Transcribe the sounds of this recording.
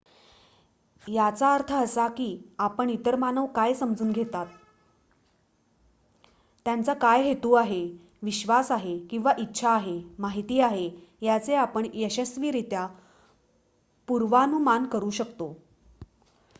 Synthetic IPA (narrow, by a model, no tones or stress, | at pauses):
jat͡saəɾt̪ʰəəsakiːapəɳit̪əɾmanəʋkajsəmd͡zuːnɡʱet̪at̪ | jant͡sakajɦet̪uːaɦe | ʋiɕʋasaɦekĩw̃ʋaʔitːɕʰaːɦemaɦit̪iːaɦejat͡seapəɳjəɕəsʋiːɾit̪ja | puɾʋanumankəɾuːɕəkt̪o